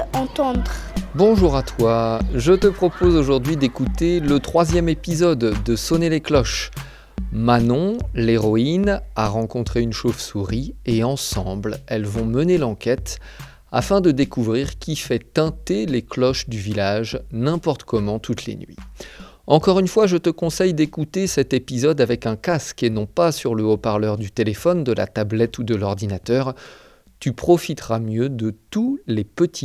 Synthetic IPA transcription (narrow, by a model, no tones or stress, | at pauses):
ɑ̃t̪ɑ̃d̪ʁbɔ̃ʒuʁat̪waʒət̪əpχɔpozoʒuʁd̪ɥid̪ekut̪elət̪χwazjɛmepizɔd̪ːəsɔneleklɔʃ | manɔ̃leʁɔinaʁɑ̃kɔ̃t̪χeynʃovsuʁieɑ̃sɑ̃blɛlvɔ̃mənelɑ̃kʲɛt̪ | a̰fɛ̃d̪əd̪ekuvʁiʁkʲifɛt̪ɛ̃t̪eleklɔʃd̪yvilaʒnɛ̃pɔʁt̪kɔmɑ̃t̪ʰut̪lḛnɥḭ | ɑ̃kɔʁynfwaʒət̪əkɔ̃sɛjd̪ekut̪esɛt̪epizɔd̪avɛkɛ̃kaskenɔ̃pasyʁləopaʁlœʁd̪yt̪elefɔnd̪əla̰t̪ablɛt̪ud̪əlɔʁd̪inat̪œʁ | t̪ypχɔfit̪ʁamjød̪ət̪ulepət̪ʰi